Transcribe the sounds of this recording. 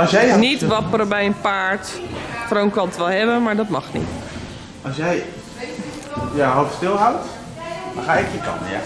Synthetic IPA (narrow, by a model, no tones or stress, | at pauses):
ɔsjɛjnitʋɔpəɾəbɛjənpaːɹtfrownkɔntʋɛlˠhɛbəmaɹdɔtmɔxnḭt | ɔsjɛj | jaɦotstɪlˠɦawt | daxaɛkjəkɔ̰nəja̰